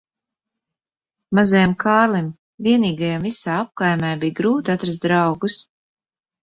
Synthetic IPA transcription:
mazajamkʰaːɾlˠim | viɛniːɡajamvisaːap̚kajmɛjbijɡɾuːt̪at̪ɾast̪̚d̪ɾɑwɡus

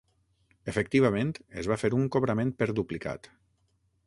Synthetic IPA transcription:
efək̚t̪iβamẽnt̪ezβafeɾuŋkoβɾəmẽn̚pəɾðuplika̰t̪

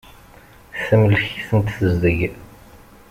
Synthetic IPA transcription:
θæmlçi̥θənt̪ːəzðəʝ

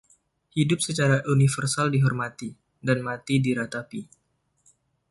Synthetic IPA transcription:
hidʊp̚sət͡ʃaɾaʔunifərsaldiɦɔrmat̪i | danmat̪idiɾat̪api

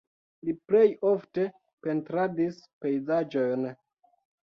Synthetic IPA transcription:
liple̞jofte̞ | pe̞ntɾadispe̞jzad͡ʒo̞jn

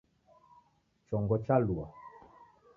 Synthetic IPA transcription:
t͡ʃɔŋɡɔt͡ʃalua

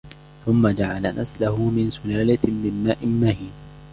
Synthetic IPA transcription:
θʊmːad͡ʒaʕalanʔaslahʊmɪnsʊlaːlamɪnmːaːʔɪmmahiːn

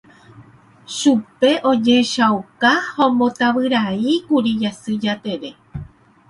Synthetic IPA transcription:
ʃupe̞ʔõ̞d͡ʒe̞ʃawkahõmbõ̞t̪aʋɨɾaikuɾijasɨd͡ʒat̪e̞ɾe̞

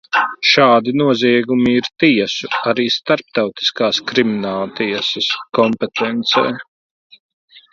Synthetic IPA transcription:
ʃaːd̪inuɔziɛɡumiiɾt̪iɛsuaɾiːst̪aɾp̚t̪awt̪i̥skaːskɾiminaːlˠt̪iɛsɐskɔmpet̪ɛnt̪sɛ̰ː

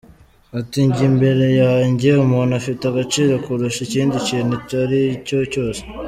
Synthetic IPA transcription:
atiɲɟimbe̞ɾe̞jaɲɟumuːnafitaɡat͡ʃiːɾo̞kuɾuʃiciːndiciːnhetaɾico̞co̞ːse̥

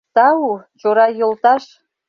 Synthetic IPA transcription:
t̪ɑut͡ɕoɾɑjolˠt̪ɑʃ

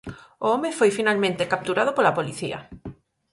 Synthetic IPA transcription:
oomefojfinalmẽnt̪ekap̚t̪uɾað̞ʊpolapoliθiɐ̰

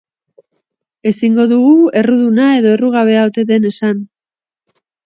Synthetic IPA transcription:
e̞siŋɡo̞ðuɣue̞ruðunae̞ðo̞e̞ruɣ̞aβ̞e̞aot̪e̞ðe̞ne̞san

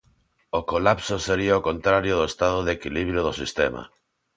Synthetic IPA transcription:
okolapsoseɾiaokõnt̪ɾaɾjoðoest̪aðoðekiliβ̞ɾjoðosist̪ema̰

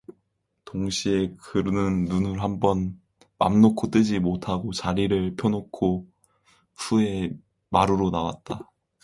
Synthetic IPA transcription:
toŋɕʰie̞kɯɾnɯnːunɯɭɦambʌn | ma̰mnokʰot͈ɯd͡ʑimotʰaɡot͡ɕaɾiɾɯɭpʰjʌnokʰo | sʰue̞ | maɾɯɾonawa̰t̚t͈a

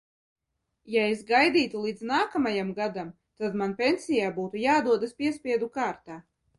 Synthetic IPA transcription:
jaesɡajd̪iːt̪ulˠiːd̪znaːkamajamɡad̪am | t̪ad̪manpʲensʲijaːbuːt̪ujaːd̪uɔd̪aspʲiɛspʲiɛd̪ukaːɾt̪aː

